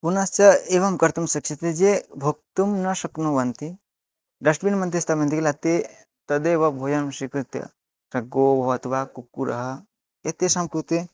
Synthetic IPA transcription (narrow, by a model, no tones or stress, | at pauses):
punast͡ʃɐeʋɐmkɐɾt̪umsɐkt͡ʃʰit̪ed͡ʒebʱok̚t̪umnɐsɐknoʋɐnt̪i | d̪ɐʂʈbinmɐnt̪ist̪amɐ̃nt̪iklat̪e | t̪ɐd̪eʋɐbʱoːjɐnmʃikut̪ɐ̰ | sɐɡoːbʱɐʋɐt̪ʋakukːuɾɐ̰ɦɐ | et̪esɐmkut̪e